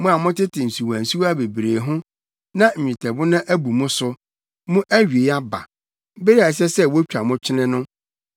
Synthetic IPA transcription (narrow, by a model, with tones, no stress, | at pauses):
mʊ̃˦a˨mʊ̃˦tɪ˦tʰɪ̃˨n̩˨su˨wã˨n̩˨su˦wa˦be˨bɾeː˨ɦʊ̃˦ | nã˦m̩˨ɲᶣɪ̃˨tʰɛ˨bʊ˦nã˦ʔæ˦bu˨mʊ̃˦sʊ˦ | mʊ̃˦ʔæ˦ɥi˨e˨ja˦ba̰˨˦ | be˦ɾi˦a˨s̬ɛ˦sɛ˦wo˦t͡ɕᶣa˨mʊ̃˦t͡ɕʰɪ˦nɪ̃˦nʊ̃˦